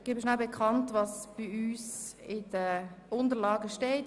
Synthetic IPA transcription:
ɡebəʃnalbekʰɑntvɑsb̥ɪyːsɪd̥əʊndəɾlɑːɡəʃteːt

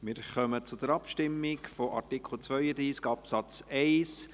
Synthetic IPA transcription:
mɪɾχœmət͡sʊd̥̪əɾɑpʃtɪmːɪkfɔʔɑɾtikχl̩ˠt͡svœʏəd̪iːskɑpsɑt͡sɛɪs

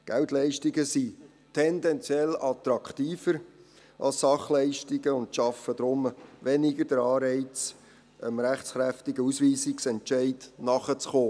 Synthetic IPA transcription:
ɡ̥ɛwtlɛɪʃtɪɡəsi | tʰɛndɛnt͡sjɛlɑt̪ɾɑkʰtiːfəɾ | ʔɑ̰lssɑχlɛɪʃtɪɡəʊntʃɑfəd̪ɾʊmʋɛnɪɡəd̥əɾɑːɾɛɪt͡s | əmɾæχt͡sχɾæftɪɡəusʋiːsɪksɛntt͡ʃɛɪdnɑχət͡sχoː

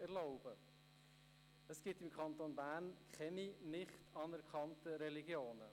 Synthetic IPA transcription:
ɛɾlɔʊb̥ə | əsɡ̥ɪtɪmkχɑntonbæːnkχɛninɪχtʰɑnɛɾkʰɑntəɾɛliɡjoːnə̰

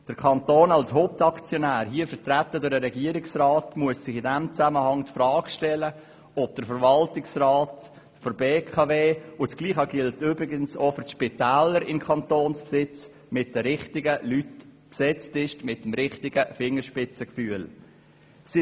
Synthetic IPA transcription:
d̥əɾkʰɑntoːnɑlsɦoːp̚tɑkt͡sjɔnæːɾɦiːəfəɾtrætːədʊɾdəɾɛɡiəɾɪksrɑːtmuəssɪχɪdɛmt͡sæməhɑŋtfɾɑːɡ̥ʃtɛlə | ɔb̥̚d̥əɾfəɾvɑltɪksrɑːt | fɔɾbeːkʰɑveːʊt͡sɡ̥liːχɑɡ̥ɪltybɾɪɡənsofʏɾtʃpɪtæːləɾɪmkʰɑntoːnspsɪt͡s | mɪt̚d̥əɾɪχtɪɡəlytpsɛt͡stɪʃtmɪtːmɾɪχtɪɡəfɪŋəʃpɪt͡səkfyːəl | s

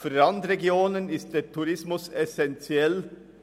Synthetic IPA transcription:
fɾɑnd̪ɾeɡjoːnənɪst̚d̪eːtʰuɾɪsmʊsɛsɛnt͡sjɛl

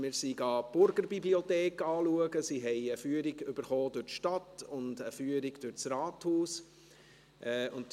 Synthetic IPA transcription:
mɪːɾsiɡɑːb̥ʊɾɡəɾbibliɔtɛːkɑːluəɡəsiɦɛɪəfyːəɾɪɡʏb̥əɾχoːdʉɾtʃtɑtʊndəfyːəɾɪɡd̥ʉɾt͡sɾɑːthuːs | ʔɛːʊnt

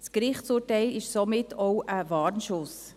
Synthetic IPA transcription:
skɾɪχt͡suːtɛɪlɪʃsomɪtʰoʊʔəvɑːɾnʃʊs

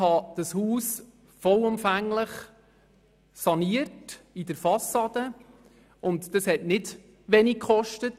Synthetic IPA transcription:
hɑd̥ɑshuːs | fɔlʊmfæŋləχ | sɑniətidəɾfɑsɑdə | ʔʊntd̥ɑshɛtnɪd | ʋɛnikkχɔʃtət

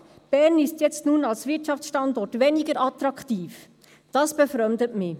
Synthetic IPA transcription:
b̥ɛɾnɪstjɛt͡stnuːnɑlsvɪtt͡ʃɑft͡sʃtɑnd̪ɔrtʋɛniɡəɾʔɑt̪ɾɑkχtiːf | d̥ɑsb̥ɛfɾœmd̪ətmɪ

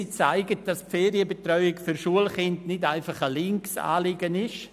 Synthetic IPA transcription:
it͡saɪɡət̚d̥ɑspfɛːɾiəbətɾrœʏɪkfyɾʃuəlχɪndnɪdaɪfɑχəlɪŋksa̰ːliɡənɪʃ

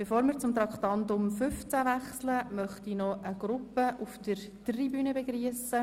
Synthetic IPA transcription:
b̥efoːɾməɾt͡sʊmt̪rɑkχt̪ɑnt̪ʊmfʏft͡sæʋæχsləmœχt̪inɔʔəɡ̥ɾʊpəʔufdər | tribyːnəbeɡriəsə

